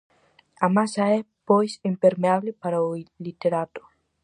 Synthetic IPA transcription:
amasae | pojsimpeɾmeaβlepaɾaulit̪eɾat̪u̥

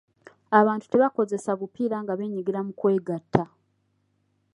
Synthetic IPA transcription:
aβaːntu̥te̞βako̞ze̞saβupiːɾaŋɡaβe̞ːɲiɡiɾamukwe̞ːɡatʰːa

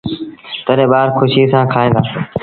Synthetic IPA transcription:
t̪əɾẽːɓaːɾkʰʊʃiːsãːkʰaːẽːɡ̪aː

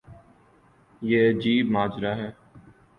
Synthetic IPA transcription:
jeːəd͡ʒiːbmaːd͡ʒɾaːɦɛː

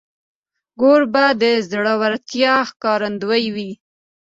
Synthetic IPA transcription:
ɡoɽbad̪əzɽawaɾt̪jɑxkɑɾand̪wajwi

